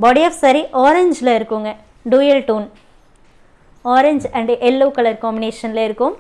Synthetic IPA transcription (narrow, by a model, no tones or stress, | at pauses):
bɔːɽiɐːfsɐɾiʔoːɾɛɲd͡ʒlɐɪɾɯkːɯŋɡɐ | ɖuːjɐlʈuːn | oːɾeɲd͡ʒɐ̃ɳɖʔɛlːuːkɐlɭɐɾkɔːmbɪneːʂɐnɪlɐɪɾɯkːɯm